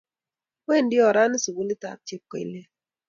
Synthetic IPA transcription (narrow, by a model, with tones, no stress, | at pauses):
wɛ˦˨n˨di˦ɔ˨ɾa˦ni˦su˨bu˦li˦ta̰˨k̚t͡ʃi˦p̚kɔ˨ḭ˨le˦